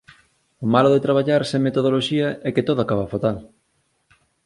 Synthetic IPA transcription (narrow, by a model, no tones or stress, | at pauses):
omaloðet̪ɾaβ̞aʎaɾsẽŋmet̪oðoloʃiɐʔɛket̪oðoakaβafot̪al